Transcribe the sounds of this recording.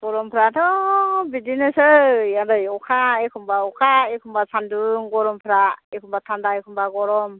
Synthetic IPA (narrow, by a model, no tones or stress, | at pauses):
ɡ̥ɔɾɔmpʰɯɾatʰɔbidinɯsɯjadɯjɔkʰaekʰumbaɔkʰaekʰumbasʰanduŋɡɔɾɔmpʰɾaekʰɔmbatʰandaekʰumbaɡɔɾɔm